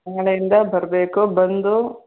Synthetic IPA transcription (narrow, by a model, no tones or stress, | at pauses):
ɐŋɡɐɭɐjind̪ɐbɐɾɐbeːkubɐnd̪u